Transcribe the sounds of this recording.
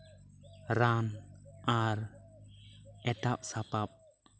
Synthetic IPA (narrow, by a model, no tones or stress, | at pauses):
ɾanaɾ | ɛtap̚sapap̚